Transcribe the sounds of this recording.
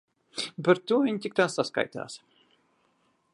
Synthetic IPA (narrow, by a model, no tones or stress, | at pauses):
paɾt̪uɔvʲiɲt̪ʲik̚t̪aːsːaska̰jt̪a̰ːs